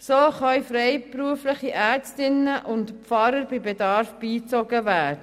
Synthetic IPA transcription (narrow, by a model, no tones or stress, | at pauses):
soːχœɥfɾɛɪpruəfləχiʔæːɾt͡stɪnəʔʊntpfɑɾəɾbɪbedɑɾfb̥iːt͡soɡəvæːɾdə